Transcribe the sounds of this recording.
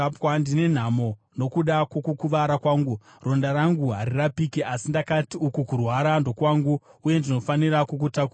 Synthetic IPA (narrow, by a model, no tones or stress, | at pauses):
pandine̞n̤amo̞ | no̞kuɗakwokukuʋaɾakwaːŋɡu | ro̞ndaɾaŋɡuɦaɾirapikiʔasindakatiukukurwaɾando̞kwaːŋɡuuje̞ndino̞faniɾakuk̬utaku